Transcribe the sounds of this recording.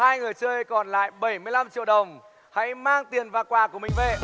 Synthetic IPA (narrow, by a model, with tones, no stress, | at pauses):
haː˧jŋɨ˨˩əjt͡ɕəː˧jkɔ˨˩nla̰ː˧˨jɓə˧˩jmɨ˧əjla˧mt͡ɕḭ˧əwɗə˨˩wŋ͡m | ha̰˧˥jmaː˧ŋt̪i˨˩ənvaː˨˩kwaː˨˩ku˧˩əmï̟˨˩ve˨˩